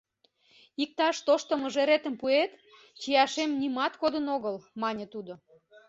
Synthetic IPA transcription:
ik̚t̪ɑʃt̪oʃt̪əmə̆ʒeɾet̪ə̆mpuet̪ | t͡ɕijɑʃemnʲimɑt̪kod̪ənoɣəlmɑnʲə̆t̪ud̪o

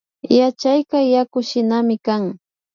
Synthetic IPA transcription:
jat͡ʃajkajakʊʃɪnamɪkaŋ

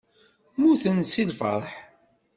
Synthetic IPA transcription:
muθənsilfə̰ɾˤħ

